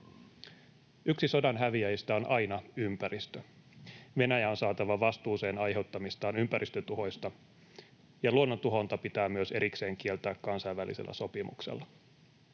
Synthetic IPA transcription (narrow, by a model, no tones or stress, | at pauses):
yksiso̞dɑnɦæʋiæjst̪æo̞nʔɑjnɑympæɾist̪ø | ʋe̞næjæo̞nsɑːt̪ɑʋɑʋɑst̪uːse̞ːnɑjɦe̞wt̪ːɑmist̪ɑːnympæɾʔist̪øt̪uɦo̞jst̪ɑ | jɑluonːot̪uɦo̞nt̪ɑpit̪æːmyøseɾikse̞ːŋk̟ie̞lt̪æːkkɑnsɑjʋːælḭsḛlːʔæ̰so̞pimṵksḛlːɑ